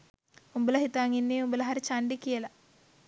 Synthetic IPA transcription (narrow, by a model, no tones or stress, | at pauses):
umbulɐɦit̪aːŋinːiumbɐlɐɦɐɾit͡ʃaɳɖikːijɐlɐ